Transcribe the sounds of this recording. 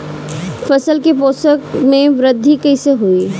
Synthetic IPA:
fʰɐsəlkepoːsəkmẽʋɾɪd̪ʱːikɐɪseɦoi

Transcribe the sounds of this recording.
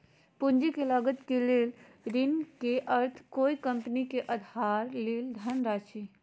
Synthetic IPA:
pund͡ʒikelaɡət̪kelel | ɾinkeʔəɾt̪ʰkoikəmpnikeʔəd̪ʱaɾleld̪ʱənɾat͡ʃʰi

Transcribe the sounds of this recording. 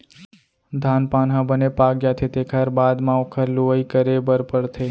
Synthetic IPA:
d̪ʱanpanɦə̃bənepaɡjat̪ʰet̪ekʰaɾbad̪mãokʰəɾluʋəikəɾebəɾpəɽt̪ʰəj

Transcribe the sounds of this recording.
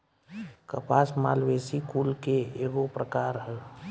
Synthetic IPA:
kəpasmalwesikulkeeɡopɾəkaɾɦɛ

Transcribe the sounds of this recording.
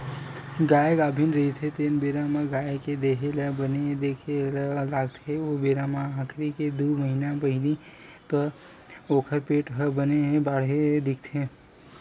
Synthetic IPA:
ɡaːjeɡaːbʱɪnɾəɦit̪ʰet̪eːnbeːɾamãɡaːeked̪eːɦeləbəned̪eːkʰelaːɡt̪ʰeobeːɾamaãːkʰɾiked̪oːməɦinapəɦɪli | t̪o | oːkʰəɾpeːʈɦəbənebaːɽ̤ed̪ɪk̚ʰt̪ʰeː

